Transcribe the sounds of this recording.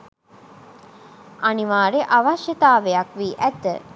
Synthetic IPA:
ʔaniʋaːɾeʔaʋaʃjɐt̪aːʋejɐkʋiːʔæt̪ə̰

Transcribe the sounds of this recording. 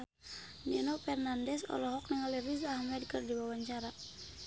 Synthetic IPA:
nɛnɔpɛrnandɛsɔ̰lɔɦɔk̚nɛŋalirizahmɛd̚kɨrdiwawaɲt͡ʃaɾa

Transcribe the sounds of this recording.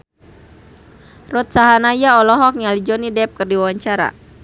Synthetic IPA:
rɔt̪̚saɦanajaɔlɔɦɔk̚ɲalid͡ʒɔnidɛp̚kɨrdiwawaɲt͡ʃaɾa̰

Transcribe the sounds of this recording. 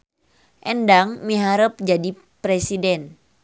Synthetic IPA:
ʔɛndaŋmiɦaɾəp̚d͡ʒadi | pɾɛsidɛn

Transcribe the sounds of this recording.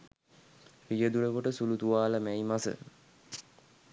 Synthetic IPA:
pijəd̪uləkoʈəsulut̪uʋaːləmæimasə̰

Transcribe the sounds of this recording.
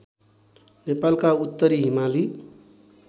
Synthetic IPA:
nepalkaut̪ːʌɾiɦimali

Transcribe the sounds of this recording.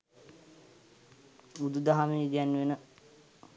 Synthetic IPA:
ud̪ud̪aɦameid̪ijanːʋenə

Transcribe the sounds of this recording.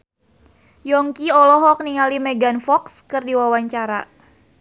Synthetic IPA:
jɔŋkiɔlɔɦɔk̚niŋalimɛɡanfɔkskɨrdiwawaɲt͡ʃaɾa̰

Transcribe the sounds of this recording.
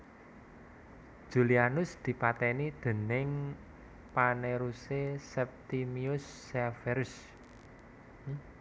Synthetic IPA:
ʒ̥ṳlianʊsd̪̥i̤pat̪ɛnid̪̥e̤nɪŋ | paneɾusesɛp̚t̪imiʊsːɛfɛɾʊs

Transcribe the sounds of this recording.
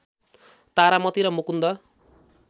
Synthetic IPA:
t̪aɾamʌt̪iɾʌmukund̪ʌ

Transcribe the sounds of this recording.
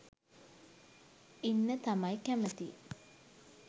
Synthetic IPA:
inːət̪amajkæmət̪i

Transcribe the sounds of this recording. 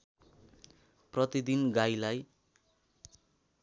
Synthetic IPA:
prʌt̪id̪inɡajlaj

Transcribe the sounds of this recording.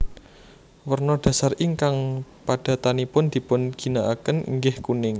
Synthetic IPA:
wərnɔd̥a̤sariŋkaŋpad̥a̤t̪anipʊnd̪̥i̤pʊnɡ̥i̤naʔakənḭŋɡɪhkunɪŋ

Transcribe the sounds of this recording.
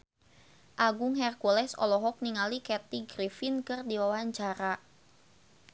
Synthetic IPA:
ʔaɡʊŋɦɛrkulɛsɔ̰lɔɦɔk̚niŋalikɛt̪iɡɾifinkɨrdiwawaɲt͡ʃaɾa

